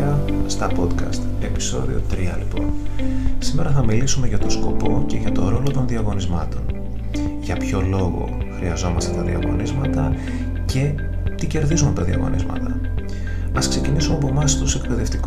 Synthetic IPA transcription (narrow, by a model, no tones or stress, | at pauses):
ɐst̪ɐpo̞d̪kɐ̰st̪e̞pi̥so̞̰ðḭo̞̰t̪ɾiɐ̰lipo̞̰nsime̞ɾɐθɐmilisume̞ʝɐt̪o̞sko̞po̞ce̞ʝɐt̪o̞ɾo̞lot̪o̞nðiɐɣo̞nizmɐt̪o̞n | ʝɐpço̞lo̞ɣo̞̰ | xɾiɐzo̞mɐst̪et̪ɐðiɐ̰ɣo̞̰nizmɐt̪ɐ̰ | ce̞ | t̪ice̞ɾðizunt̪ɐðiɐ̰ɣo̞̰nʔḭzmɐ̰t̪ɐ | ɐskse̞cinisumeɐpo̞mɐst̪use̞k̚pe̞ðe̞ft̪ik